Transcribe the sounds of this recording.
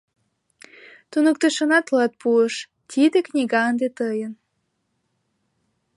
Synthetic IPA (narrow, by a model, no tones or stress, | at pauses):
t̪unək̚t̪əʃə̆nɑt̪lɑt̪̚puəʃ | t̪ʲʰid̪eknʲiɣɑənd̪et̪ɤjə̆n